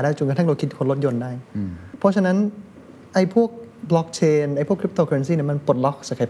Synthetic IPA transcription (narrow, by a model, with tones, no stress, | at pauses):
daː˥˩jt͡ɕo˨˩nk̪ːʰa˥˩ŋɾa˧kʰi˦˥kʰo˧nlo˦˥t̪̚jo˧ndaː˥˩jpʰɔ˦˥t͡ɕʰa˧na˦˥n | ʔa˧˩jpʰu˥˩ək̚blɔ˦˥k̚t͡ɕʰeː˧nʔa˧˩jpʰu˥˩əkʰɾi˦˥p̚t̪oː˧˩ke˧ns̬iː˥˩ni˥˩ma˧npo˨˩t̪̚lɔ˦˥k̚sa˨˩kʰa˨˩jpʰ